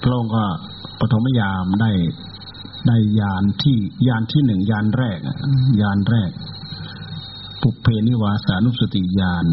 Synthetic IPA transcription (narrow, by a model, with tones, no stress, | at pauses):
pʰɾa˧˥ʔo˧ŋkɔː˥˩ | pɾa˧t̪ʰo˨˦ma˥˨jaː˧mdaː˥˩j | daː˥˩jːaː˧nt̪ʰiː˥˩jaː˧nt̪ʰiː˥˩nɯ˨˩ŋjaː˧nɾɛː˥˩k̚ʔa̰˧˩jaː˧nɾɛː˥˩k̚ | pu˨˩pʰːeː˧nːiː˦˥˩waː˧saː˨˦nu˧˥psa˧t̪i˨˩jaː˧n